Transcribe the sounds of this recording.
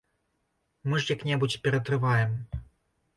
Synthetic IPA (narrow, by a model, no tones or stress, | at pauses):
mɨʐjaknʲɛbut͡sʲpʲɛɾɐt̪ɾɨvajɛm